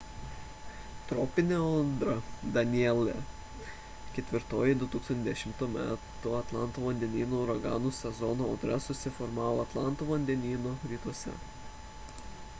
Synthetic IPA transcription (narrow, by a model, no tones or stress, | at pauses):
t̪ɾɔːpʲɪnʲeɔd̪ɾɐd̪ɐnʲiɛlʲɛ | kʲɛt̪ʲʋʲɪɾt̪oːjɪd̪ʊt̪uːksɐnt̪ʲzd̪ʲɛʃʲɪmt̪uːmʲæ̰ːt̪ʊɐt̪lˠɑˑnt̪oːʋɐnʲd̪ʲɛnʲiːnoʊɾɐɡɑːnuːsʲɛzɔnoːɔd̪ɾɐsʊsʲɪfɔɾmɑːʋoːɐt̪lˠɑˑnt̪uːʋɐnʲd̪ʲɛnʲiːnoːɾʲiːt̪uɔsʲɛ̰